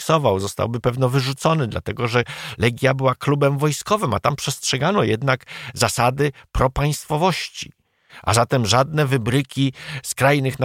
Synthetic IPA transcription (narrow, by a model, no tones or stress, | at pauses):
ksɔvawzɔst̪a̰wbɘpɛvnɔvɘʐut̪sɔnɘd̪la̰t̪ɛɡɔʐɛlɛɡʲjabɘwaklubɛmvɔjskɔvɘmat̪ampʂɛstʂɛɡanɔjɛd̪nakzasad̪ɘpɾɔpaj̃st̪fɔvɔɕt͡ɕi | ʔa̰zat̪ɛmʐad̪nɛvɘbɾɘkʲiskɾajnɘxn